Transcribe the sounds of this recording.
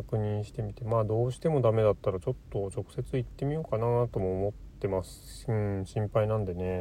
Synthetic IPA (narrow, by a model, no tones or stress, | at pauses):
akɯ̟ɲ̟ĩɰ̃ɕi̥t̪e̞mʲit̪e̞maːd̪o̞ːɕi̥t̪e̞mo̞d̪ame̞d̪at̪ːaɾat͡ɕo̞t̪ːo̞t͡ɕo̞kɯ̟̥se̞t͡sɨit̪ːe̞mʲijo̞ːkanaːt̪o̞mo̞ːmo̞t̪ːe̞masɨ̥ɯ̃ɕĩmpainãnd̪e̞ne̞